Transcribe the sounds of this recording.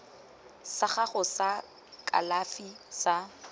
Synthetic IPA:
saχaχʊsa | kʼa̰lafi | sa

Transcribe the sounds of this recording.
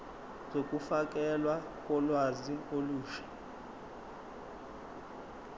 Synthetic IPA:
zokʼufak̬ʼɛlwa | kʼɔlwazioluːʃḁ

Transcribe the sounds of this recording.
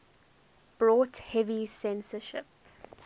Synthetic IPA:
b̥ɹɔːˑthɛvisɛ̃nsəʃɪ̰p̚

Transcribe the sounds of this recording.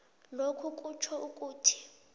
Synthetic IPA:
lokʰukʼut͡ʃʰɔukʼuːtʰi̥

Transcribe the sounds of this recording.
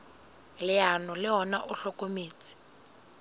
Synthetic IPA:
lɪanɔlɪɦɔnaʔʊɬɔkomeːt͡sʼi̥

